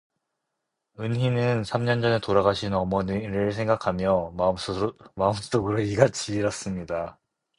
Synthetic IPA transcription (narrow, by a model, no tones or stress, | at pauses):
ɯnɦinɯnsʰamɲʌnd͡ʑʌne̞toɾaɡaɕʰinʌmʌɲiɾɯɭsʰe̞ŋɡakʰamjʌ | maɯms͈oɡɯɾoiɡat͡ɕʰiɾʌs͈ɯmɲida